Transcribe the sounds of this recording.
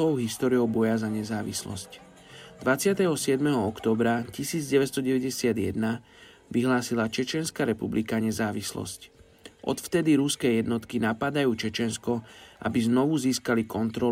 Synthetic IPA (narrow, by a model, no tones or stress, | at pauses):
ɔʊɦist̪ɔːɾijɔʊbɔjazaɲɛzaːʋḭslɔ̰sc | d̪̥ʋat͡sɪat̪ɛɦɔsɪɛd̪mɛɦɔɔkt̪ɔːbɾacisiːd͡zɟɛʋɛst̪ɔɟɛʋɛɟɛsɪad̪jɛd̪na | ʋiɦlaːsilat͡ʃɛt͡ʃɪɛnskaɾɛpublikaɲɛzaːʋislɔ̰sc | ʔɔ̰t̪ft̪ɛd̪iɾuskɛjɛd̪nɔt̪kinapad̪ajuːt͡ʃɛt͡ʃɛnskɔʔa̰biznɔʋuziːskalikɔnt̪ɾɔ